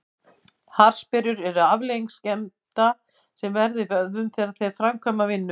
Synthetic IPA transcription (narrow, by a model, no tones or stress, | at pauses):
haɾ̥spɪɾjʏɾɛɾʏavleiŋkscɛmt̪a | sɛmvɛɾðɪvœððʏmθɛːɾaðθɛðfɾamkʰœmavɪnːʏ